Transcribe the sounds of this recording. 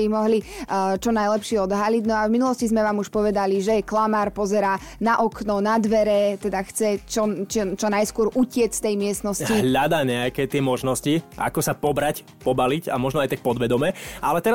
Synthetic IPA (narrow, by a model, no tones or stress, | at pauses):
imɔɦlit͡ʃɔnajlɛpʃɪɛɔd̪ɦaliɟnɔavminulɔscizmɛʋaːmuʃpɔʋɛd̪aliʒɛklamaːɾpɔzɛɾaː | naʔɔknɔnad̪ʋɛɾɛt̪ɛd̪axt͡sɛt͡ʃɔt͡ʃt͡ʃɔnajskʊɔɾʔucɪɛt͡sst̪ɛjmɪɛsnɔsiɦʎad̪aːɲɛakɛt̪ɪɛmɔʒnɔsciʔa̰kɔsapɔbɾac | pɔbalica̰mɔʒnɔajt̪ak̚pɔd̪ʋɛd̪ɔmɛʔalɛt̪ɛɾa